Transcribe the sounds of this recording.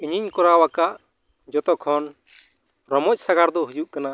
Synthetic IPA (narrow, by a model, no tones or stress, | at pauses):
iɲiɲkɔɾawakaʔ | d͡ʒɔt̪ɔkʰɔn | ɾɔmɔc̚ˀsaɡaɾd̪ɔɦud͡ʒuʔkana